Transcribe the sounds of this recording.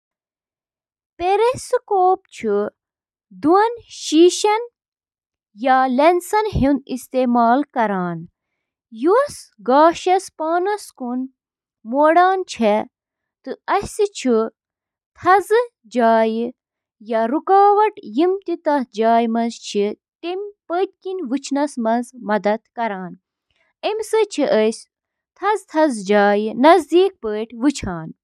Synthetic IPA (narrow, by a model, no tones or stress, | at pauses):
peɾesɨkoːp̚t͡ʃʰu | d̪uɐnʃiːʃɐn | jalensɐnɦinist̪eːmaːlkɐɾaːn | jusɡaːʃɐspaːnɐskun | moːɽaːnt͡ʃʰe | t̪ɨɐsit͡ʃʰi | t̪ʰɐzɨ | d͡ʒaːjɨ | jaɾukaːʋɐʈjimt̪it̪ɐhd͡ʒaːjmɐnzt͡ʃʰi | t̪emʲpət̪̚ʲkinʋɨt͡ʃʰnɐsmɐzmɐd̪ɐd̪kɐɾaːn | emʲsɨt͡ʃʰiʔəsʲ | t̪ʰɐzt̪ʰɐzd͡ʒaːjnɐzd̪iːk̚pəːʈʰʲʋɨt͡ʃʰaːn